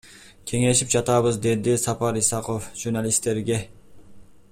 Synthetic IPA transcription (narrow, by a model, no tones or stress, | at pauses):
kʲʰeŋeʃip̚d͡ʒɑt̪ɑβɨzd̪ed̪ɪsɑpɑɾisɑqʰofʒ̥uɾnɑlist̪ːeɾɡʲe